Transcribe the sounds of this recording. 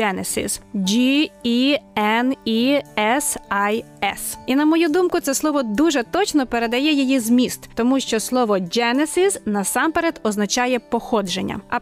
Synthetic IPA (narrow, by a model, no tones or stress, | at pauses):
ɛnesḭzd͡ʒiiɛniɛsɐj | ɛsinɐmɔjud̪umkʊt̪sɛslˠɔʋɔd̪uʒɛt̪ɔt͡ʃnɔpeɾed̪ɐjɛjijizmʲist̪t̪ɔmuʃt͡ʃɔslˠɔʋɔd͡ʒɛnesiznɐsɑmpeɾɛd̪ɔznɐt͡ʃɑjɛpɔxɔd͡ʒenʲːɐ̰ɐ